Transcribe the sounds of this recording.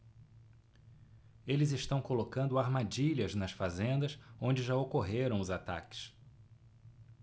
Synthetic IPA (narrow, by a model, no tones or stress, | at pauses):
elɪzɪʃt̪ɐ̃w̃kolokɐ̃nd̪ʊaɾmad͡ʒiʎɐznɐsfazẽnd̪ɐsõnd͡ʒɪʒaokoɦeɾɐ̃w̃ʊzat̪a̰kɪ̥s